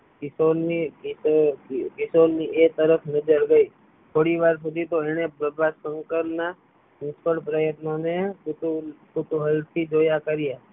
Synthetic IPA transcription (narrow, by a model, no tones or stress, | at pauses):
kisoi | kɪsonniʔek̚t̪əɾəfʰnəd͡ʒəɾɡəi | t̪ʰoɽiʋaɾsud̪it̪oɛñebəbʱasəŋkəɾna | mʊskəɽpɾəjət̪noneut̪ukut̪uɦəlt̪ʰid͡ʒojakəɾija